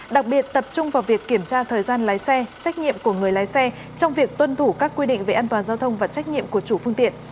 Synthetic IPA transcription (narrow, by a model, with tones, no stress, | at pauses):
ɗa˨˩k̚ɓi˨˩ət̚t̪ə˨˩p̚t͡ɕʊ˧ŋ͡mvaː˨˩wvi˨˩əkːi˧˩əmt͡ɕaː˧t̪ʰəː˨˩jzaː˧nlaː˨˦jsɛ˧t͡ɕa˦˥jk̟̚ɲḭ˧˨əmku˧˩əŋɨ˨˩əjlaː˨˦jsɛ˧ | t͡ɕɔ˧wŋ͡mvi˨˩ək̚t̪wə˧nt̪ʰu˧˩kaː˦˥kːwi˧ɗḭ˧˨ŋ̟ve˨˩ʔaː˧nt̪waː˨˩nzaː˧wt̪ʰə˧wŋ͡mvaː˨˩t͡ɕa˦˥k̟̚ɲḭ˧˨əmku˧˩ət͡ɕu˧˩fɨ˧əŋt̪ḭ˧˨ən